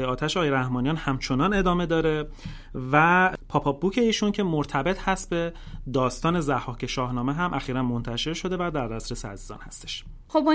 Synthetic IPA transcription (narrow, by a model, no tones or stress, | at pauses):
jeɒːt̪ʰæʃeɒːjeɾæhmɒːnijɒːnhæmt͡ʃʰo̞nɒne̞d̪ɒːme̞d̪ɒːɾe̞ | væpʰɒːpʰɒbuːcʰe̞iːʃuncʰe̞moɾt̪ʰæbet̪ʰhæst̪̚be̞ | d̪ɒːst̪ɒːne̞zæhɒːcʰe̞ʃɒːhnɒːmeɦæmʔæxiːɾænmo̞nt̪ʰæʃe̞ɾʃo̞d̪e̞væd̪æɾd̪æsɾeseæ̰ziːzɒ̰ːnhæ̰st̪eʃ | χob